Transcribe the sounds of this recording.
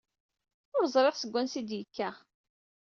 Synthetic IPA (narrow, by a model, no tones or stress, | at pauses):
ʊɾzˤɾˤeʁsəɡʷːænsid̪jəkːæ